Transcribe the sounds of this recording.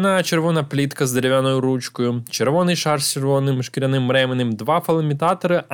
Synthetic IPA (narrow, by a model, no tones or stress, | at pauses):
nɑt͡ʃeɾʋɔnɐplʲit̪kɐzd̪eɾʲeʋʲanɔjʊɾut͡ʃkɔjʊt͡ʃeɾʋɔnɪjʃɑrst͡ʃeɾʋɔnɪmʃkɪɾʲɐnɪmːɾɛmɪnɪmd̪ʋɑfɐlˠɐmʲit̪ɑt̪ɔɾɪ